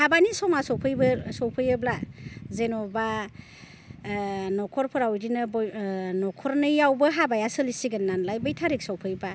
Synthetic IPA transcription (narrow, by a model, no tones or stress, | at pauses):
habanisɔmasɔwpʰɯjbɯsɔwpʰɯjɯblazenɔba | nɔkʰɔɾpʰɯɾawdinɯbnɔkʰɔɾnɯjawbɯɦabajasɯlisiɡɯnːanlajbɯjtʰaɾik̚sɔwpʰɯjba